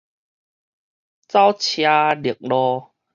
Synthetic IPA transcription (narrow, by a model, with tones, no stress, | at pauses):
t͡sa˦wt͡ɕʰja˧li˨˩ək̚lɔ˧